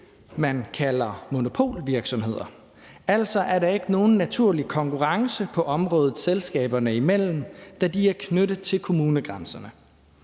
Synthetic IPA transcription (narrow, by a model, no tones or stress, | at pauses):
mænkʰælɐmo̝no̝pʰo̝̰ːlʋiɐɡ̥sɒ̽mhe̝ð̞̰ˠɐ | æl̰sɒ̽ʔæɐɾɑ̈e̝ɡ̥əno̝ːn̩ːæt͡sʰuɐ̰likʰɒ̽ŋkʰuʁɑ̈ŋsəpʰɒ̽ʔɒ̽mʁɔ̽ːð̞ˠð̩ˠselsɡ̥ɛ̰ːb̥ɐnəimel̰m̩d̥æd̥iæɐkʰnød̥ð̩ˠt͡sʰe̝lkʰo̝muːnəɡ̥ʁansɐnə